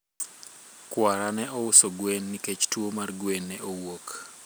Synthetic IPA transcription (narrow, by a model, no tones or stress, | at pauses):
kwaɾanɛɔʊsoɡwenːiket͡ʃtwomarɡwenːɛowok